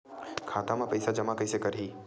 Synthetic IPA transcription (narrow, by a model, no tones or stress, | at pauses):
kʰaːt̪amãpɐɪsad͡ʒɐmakɐjsekɐɾɦiː